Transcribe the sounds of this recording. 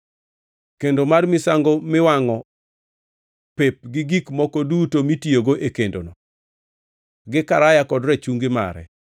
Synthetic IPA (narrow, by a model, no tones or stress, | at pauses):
kendomarmɪsaŋɡomɪwaŋɔ | pep̚ɡɪɡikmɔkɔdutomitioɡoʔekendo̰nɔ | ɡɪkaɾajakɔdɾɛt͡ʃuŋɡɪma̰ɾɛ̰